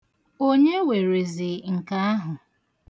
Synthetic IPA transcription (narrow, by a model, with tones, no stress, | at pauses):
o˦ɲe˦we˨ɾe˨zɪ˨ŋ̩˨ka˦a˦ɦʊ˨